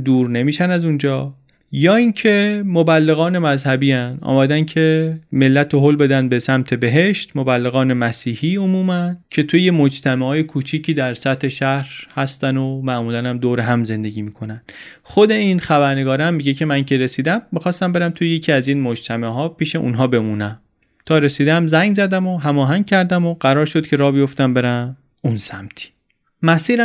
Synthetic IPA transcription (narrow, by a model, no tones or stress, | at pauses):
d̪uːɾne̞miːʃænæzund͡ʒɒː | jɒːiːncʰe̞mobælːe̞ɣɒːne̞mæzhæbiːænɒ̰ːmæd̪æncʰe̞me̞lːæt̪ʰoɦolbe̞d̪ænd̪̚be̞sæmt̪ʰe̞be̞ɦe̞ʃt̪mo̞bælːe̞ɣɒːne̞mæsiːhiːomuːmæncʰe̞t̪ʰujemo̞d͡ʒt̪ʰæmehɒːjekʰuːt͡ʃʰiːcʰiːd̪æɾsæt̪ʰhe̞ʃæhɾhæst̪ænomæʔmuːlænæmd̪oːɾeɦæmze̞nd̪e̞ɟʲiːmiːkʰo̞nænd̪̥ | χod̪e̞iːnxæbæɾne̞ɡɒːɾæmːiɟe̞cʰe̞mæncʰe̞ɾe̞siːd̪æmːixɒːst̪æmbe̞ɾæmt̪ʰujejecʰiːæziːnmo̞d͡ʒt̪ʰæmeɦɒːpiːʃe̞ʔṵnɦɒːbe̞munæm | t̪ʰɒːɾe̞siːd̪æmzæŋɡzæd̪æmo̞ɦæmɒːɦæŋ̚cʰæɾd̪æmoɢ̥æɾɒːɾʃod̪̥cʰe̞ɾɒːbijo̞ft̪æmbe̞ɾæn | unsæmt̪ʰi̥ | mæsiːɾæ